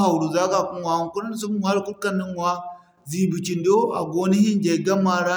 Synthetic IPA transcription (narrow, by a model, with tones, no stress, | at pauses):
a˨u˨ɾu˨za˦ɡa˨ku˦mwa˨ku˦ln˦s̬u˦m˦m˨a˦lku˦lka˦nːi˦ŋwa˦ | zi˨bu˨t͡ʃi˨ndo˦a˨ɡo˦ni˦hi˦nd͡ʒe˨ɡa˦ma˦ɾa˦